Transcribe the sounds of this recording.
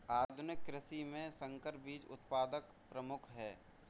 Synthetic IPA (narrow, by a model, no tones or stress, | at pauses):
aːd̪ʱʊnɪkːɾɪsimẽsə̃ŋkəɾbiːd͡ʒʊ̰t̪paːd̪ək | pɾəmʊkʰɦɛː